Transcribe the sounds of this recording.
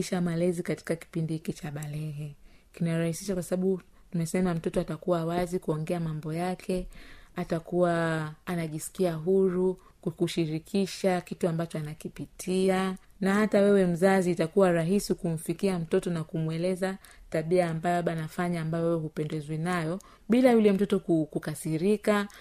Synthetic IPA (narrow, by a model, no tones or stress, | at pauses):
iʃamalɛzikati̥kaki̥pindihikit͡ʃaɓalɛɦɛkinaɾahisiʃakwasaɓaɓu | tumɛsɛmam̩tɔtɔatakuwawazikuɔŋɡɛamambɔjakʰɛatakuwaːnaʄisi̥kiaɦuɾu | kukuʃiɾikʰiʃakituambat͡ʃɔanakipitʰianahatawɛwɛm̩zaziːtakuwaɾaɦisikum̩fikiam̩tɔtɔnakumwɛlɛza | taɓiaːmbajɔaɓaanafaɲaːmbajɔwɛwɛhupɛndɛzwinajɔ | ɓilajulɛm̩tɔtɔkukukasiɾika